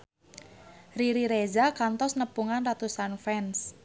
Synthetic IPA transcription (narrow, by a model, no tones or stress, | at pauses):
riɾiɾezakant̪ɔsnəpuŋanrat̪usanfɛns